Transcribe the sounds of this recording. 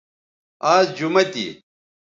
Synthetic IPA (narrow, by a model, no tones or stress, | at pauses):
aːzd͡ʑumɐt̪ḭ